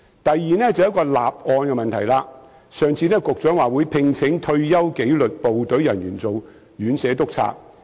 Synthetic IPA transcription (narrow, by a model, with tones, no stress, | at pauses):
t̪ɐ˨jːiː˨˧nɛː˥t͡sɐ˨wjɐ˥t̚kɔː˧laː˨p̚ʔɔː˧nkɛ˧mɐ˨nt̪ʰɐ˨˩jlaː˧ | sœː˨ŋt͡sʰiː˧nɛː˥kʊ˨k̚t͡ʃœː˨˥ŋwaː˨wuː˨˧˥jpʰɪ˧ŋt͡sʰɪ˨˥ŋt̪ʰɵ˧ɥjɐ˥wke˨˥jlɵ˨t̚po˨wt̪ɵ˨˥ɥjɐ˨˩njy̰ː˨˩nt͡so˨w | ɥyː˨˥nsɛː˨˥t̪ʊ˥k̚t͡sʰa̰ː˧˥